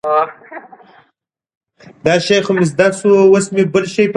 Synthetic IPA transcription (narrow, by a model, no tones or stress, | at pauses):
d̪ɑʃajxomɪs̬d̪asuwosmebəlʃajp